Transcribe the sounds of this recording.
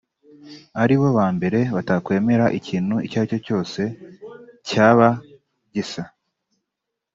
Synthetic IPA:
aɾiβo̞βaːmbe̞ɾe̞βatakwe̞ːme̞ɾaʔiciːn̥huicaːco̞co̞ːse̞ | caːβa | ɟisa

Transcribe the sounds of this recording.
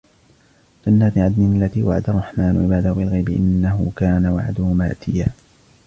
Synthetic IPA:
d͡ʒanːat̪ɪʕad̪nɪlːat̪iːwaʕad̪arˤːɑħmaːnʕɪbaːd̪ahʊbɪlɣajbɪʔɪ̰nːaɦʊkaːnawa̰ʕa̰d̪ʊhʊmaːʔt̪ʰɪjaː

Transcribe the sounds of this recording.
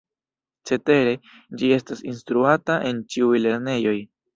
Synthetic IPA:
t͡se̞te̞ɾe̞ | d͡ʒie̞stasinstɾuataʔe̞nt͡ʃiujle̞ɾne̞jo̞j

